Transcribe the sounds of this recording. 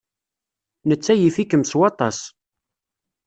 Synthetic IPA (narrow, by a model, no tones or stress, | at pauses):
nət͡sːæjifikəmswɑt̪ˤɑs